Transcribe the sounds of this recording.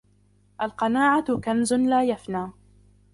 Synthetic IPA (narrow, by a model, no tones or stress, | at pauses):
ʔalqɑnaːʕakanzʊlaːjafnaː